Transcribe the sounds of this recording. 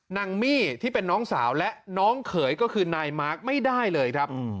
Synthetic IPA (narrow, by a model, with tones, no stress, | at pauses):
na˧ŋmiː˥˩t̪ʰiː˥˩pe˧nːɔː˦˥ŋsaː˩˦wlɛ˦˥ʔnɔː˦˥ŋkʰɤː˩˦jkɔː˥˩kʰɯː˧naː˧jmaː˦˥k̚ma˥˩jdaː˥˩jlɤː˧jkʰɾa˦˥p